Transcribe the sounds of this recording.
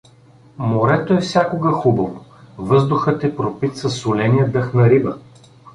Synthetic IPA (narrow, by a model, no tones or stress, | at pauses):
moɾɛt̪oɛfsʲjakoɡɐxubɐvovɤzd̪ʊxət̪ɛpɾopit̪sɐsʊlɛnijəd̪ɤxnɐɾibə